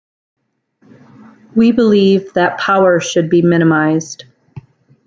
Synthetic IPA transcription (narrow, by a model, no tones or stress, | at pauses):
wibəlivðɨt̚pʰaʊə˞ʃɨd̚bimɪ̃ɾ̃ɨmaɪz̥d̥